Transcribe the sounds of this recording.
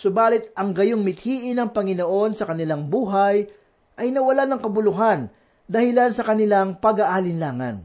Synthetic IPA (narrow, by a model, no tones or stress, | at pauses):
sʊbaːlɪt̪̚ɐŋɡɐjoŋmɪt̪̚hiːʔɪnɐŋpɐŋɪnoʔo̞nsɐkɐnɪlaŋbuːɦɐj | ʔɐjnɐwɐlanɐŋkɐbʊlʊɦan | d̪ɐhɪlansɐkɐnɪlaŋpɐɡaʔalɪnlaːŋɐ̰n